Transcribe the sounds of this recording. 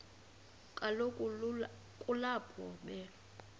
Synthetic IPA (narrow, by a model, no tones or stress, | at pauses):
kʼalokʼ | kʼulapʰɔɓɛ